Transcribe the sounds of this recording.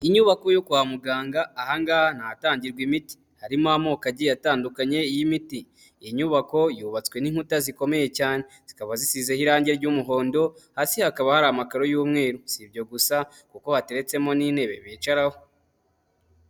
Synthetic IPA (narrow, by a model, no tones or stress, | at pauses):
iɲuβako̞jokuwamuɡaːŋɡaːhaŋɡahan̥aataːɲɟiɾɡwimiti̥ | haɾimamokaɟijataːndukaɲe̞jimiti | ɲuβako̞juːβat͡swe̞niŋ̥hutaziko̞me̞je̞caːne̞z̥ikaβazisizehiɾaːɲɟe̞ɾɟuːmuɦo̞ːndo̞haːsihakaβahaɾamakaɾo̞juːmŋe̞ːɾosibɟo̞ɡusa | kuko̞hate̞ɾe̞t͡se̞mo̞nine̞ːβe̞̰βiːt͡ʃaɾaho